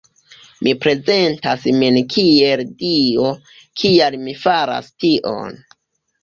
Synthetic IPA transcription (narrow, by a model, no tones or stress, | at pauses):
mipɾe̞ze̞ntasminkʰieldio̞ | kʰialmifaɾa̰stiʔo̰n